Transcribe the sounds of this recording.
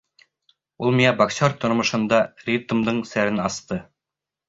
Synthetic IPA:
ulˠmiæbɐksʲoɾt̪ŏɾmŏʃɤ̆nd̪ɑrʲit̪ə̆md̪ɤɴsæɾɘnɑst̪ɤ

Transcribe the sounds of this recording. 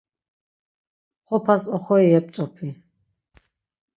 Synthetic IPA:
χɔpʰasɔχɔiɛp̚t͡ʃʼɔpʰi

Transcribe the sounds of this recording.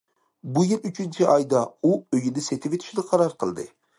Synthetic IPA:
bujilyt͡ʃʰint͡ʃʰiʔɑjd̪ɑuøjid̪ɪset̪ʰɪbet̪ʰi̥ʃid̪ɛqʰɑɾɑɾqʰəlˠd̪ɨ

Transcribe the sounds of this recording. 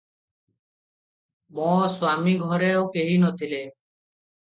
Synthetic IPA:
mɔswamiɡʱɔɾeokeɦinɔt̪ʰile

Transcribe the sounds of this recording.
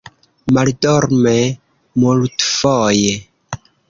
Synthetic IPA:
maldɔɾme | multfoje

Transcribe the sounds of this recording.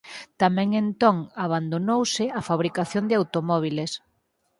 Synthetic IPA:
t̪amɛ̃ŋent̪oŋaβ̞and̪onowsɪafaβ̞ɾikaθjond̪ɪawt̪omɔβ̞iles

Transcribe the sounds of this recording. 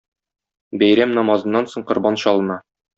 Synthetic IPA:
bæjɾæmnɒmɑzɤ̆nːɑnsoɴqŏɾbɑnɕɒlˠɤ̆nɑ

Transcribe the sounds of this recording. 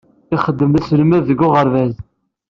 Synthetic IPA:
ɪχəd̪ːəmðæslmæððəɡːʊʁəɾvæz

